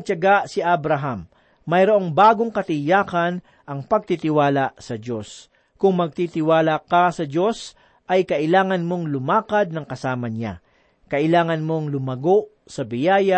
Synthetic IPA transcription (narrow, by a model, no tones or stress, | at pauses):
t͡ʃɐɡaʔsɪʔabɾɐɦamː | ɐjɾoʔo̞ŋbaːɡoŋkɐt̪ɪjaːkɐn | ʔɐŋpɐɡ̚t̪it̪ɪwaːlasɐd͡ʒo̞s | kʊŋmɐɡ̚t̪it̪ɪwaːlakɐsɐd͡ʒo̞s | ʔɐjkɐʔɪlaːŋɐnmo̞ŋlʊmaːkɐd̪̚nɐŋkɐsaːmɐɲa̰ | kɐʔɪlaːŋɐnmo̞ŋlʊmɐɡo̞ʔ | sɐbɪjaːjɐ